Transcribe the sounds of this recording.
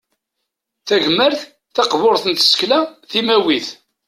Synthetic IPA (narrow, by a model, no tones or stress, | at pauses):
θæʝəmːəɾθ | θɑqvʊɾθənt̪ə̥sklæθimæwiθ